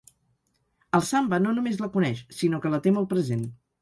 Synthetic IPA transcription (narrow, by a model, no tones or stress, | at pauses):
əlˠsambənonumezləkunɛʃsinokələt̪eməlˠpɾəzen